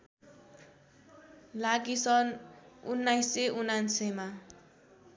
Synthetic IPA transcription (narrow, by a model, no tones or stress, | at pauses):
laɡisʌnunːajseʔunansʌma